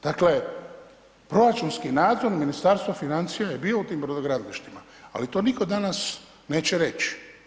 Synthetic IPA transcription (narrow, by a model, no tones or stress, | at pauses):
d̪̥akle̞ | pɾo̞ɾat͡ʃunskinaːd̪zo̞ɾminist̪aːɾst̪ʋafinant̪sijajebiːout̪iːmpɾod̪oɡɾad̪liʃt̪ima̰ | a̰lit̪o̞ːniko̞d̪anas | ne̞ːt͡ɕeɾe̞t͡ɕi̥